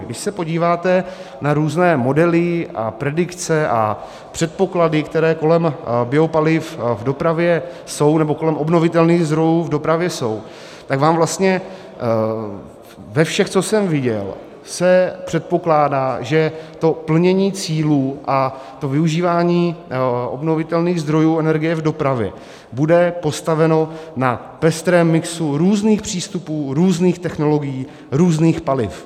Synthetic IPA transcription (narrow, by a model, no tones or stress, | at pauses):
ɡdɪʃsɛpo̞ɟiːvaːt̪ɛnaɾuːznɛːmo̞dɛlɪa̰pɾɛdɪkt͡sɛʔa̰ | pr̥ɛt̪̚po̞kladɪkt̪ɛɾɛːko̞lɛmbjɛo̞palɪfvdo̞pɾavjɛ | so̞wnɛbo̞ko̞lɛmʔo̞bno̞vɪt̪ɛlniːɣzd̪ɾo̞juːvdo̞pɾavjɛso̞w | t̪akvaːmvlast̪ɲɛ | vɛfʃɛxt͡so̞sɛmvɪɟɛ̰l | sɛpr̝̥ɛt̪̚po̞klaːdaːʒɛt̪o̞pl̩ɲɛɲiːt͡siːluːʔa | t̪o̞vɪuʒiːvaːɲiːʔo̞̰bno̞vɪt̪ɛlniːɣzd̪ɾo̞juːɛnɛɾɡɪjɛvdo̞pɾavjɛ̰ | budɛpo̞st̪avɛno̞na | pɛst̪ɾɛːmːɪksuɾuːzniːxpr̝̥iːst̪upuːɾuːzniːxt̪ɛxno̞lo̞ɡɪjiː | ɾuːzniːxpalɪ̰f